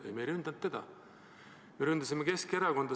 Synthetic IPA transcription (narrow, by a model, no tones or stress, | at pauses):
ḛjmeɾynd̪ɑnt̪ːe̞d̪̥ɑ̰ | meɾynd̪̥ɑsimːeke̞ske̞ɾɑko̞nd̪̥ɑ